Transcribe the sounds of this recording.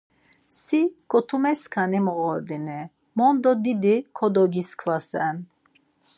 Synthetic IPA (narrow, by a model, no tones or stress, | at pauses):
sikɔt̪ʰumɛskʰanimɔɔɾd̪inɛ | mɔnd̪ɔd̪id̪ikʰɔd̪ɔɡiskʰvasɛn